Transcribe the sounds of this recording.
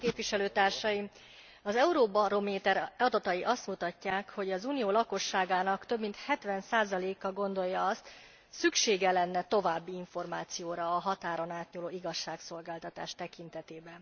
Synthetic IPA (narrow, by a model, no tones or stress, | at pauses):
keːpʋiʃɛløːt̪aːrʃɒjim | ɒzɛuɾoːbɒɾo̞meːt̪ɛɾɒd̪ɒt̪ɒjiʔɒst̪mut̪ɒcːaːkho̞ɟɒzuːnijoːlɒko̞ʃːaːɡaːnɒkt̪ø̞bmint̪hɛt̪ʋɛnsaːzɒleːkːɒɡo̞nd̪o̞jːɒɒst̪ | sykʃeːɡɛlɛnːɛt̪o̞vaːbːiiɱfo̞rmaːt̪sijoːɾɒːɦɒt̪aːɾo̞naːt̪ɲuloːiɡɒʃːaːkso̞lɡaːlt̪ɒt̪a̰ːʃt̪ɛkint̪ɛt̪eːbɛn